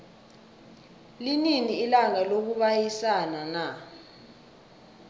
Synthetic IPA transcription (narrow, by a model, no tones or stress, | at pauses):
lininiːlaŋalok̬uɓajisanana